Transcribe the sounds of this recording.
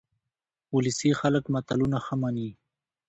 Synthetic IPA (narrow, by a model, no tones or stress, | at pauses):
ulisixaləkmat̪alunaxamani